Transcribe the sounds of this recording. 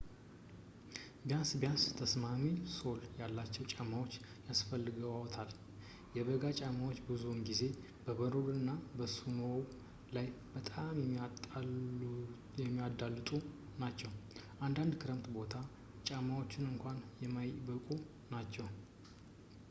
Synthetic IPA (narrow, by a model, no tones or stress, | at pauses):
bjansbjanst̪ʰəsmamiso̞ljalːat͡ʃːɛwt͡ʃʼamːawo̞t͡ʃː | jasfəlːɨɡəwawɔt̪ʰal | jɛbəɡat͡ʃʼamawot͡ʃːbɨzunɡize̞ | bəβəɾolɨnːabəsunow | lajbət̪ʼamjɛm | jɛmːijad̪alːɨt̪ʼunat͡ʃːɛwʔand̪and̪kʰɨɾəmt̪bo̞t̪ʰa | t͡ʃʼamːawo̞t͡ʃːɪnɨŋkʷanjɛmːajbəkʼu | nat͡ʃːɛw